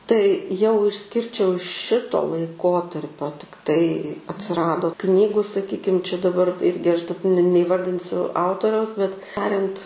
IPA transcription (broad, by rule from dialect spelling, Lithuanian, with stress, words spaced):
tɐɪ jɛʊ ɪʃʲˈsʲkʲɪrʲt͡ʃʲɛʊ ˈʃʲɪtoː lˠɐɪˈkoːtɐrʲpʲoː tʲɪkˈtɐɪ ɐtʲsʲɪˈrɑːdoː ˈknʲiːɡʊ sɐˈkʲiːkʲɪm t͡ʃʲɛ dɐˈbɐr ˈɪrʲɡʲɪ ɐʃ dɐ nʲɛ nʲɛɪˈʋɐrʲdʲɪnʲsʲʊ ˈɐʊtoːrʲɛʊs bʲɛt ˈtɑːrʲɛnt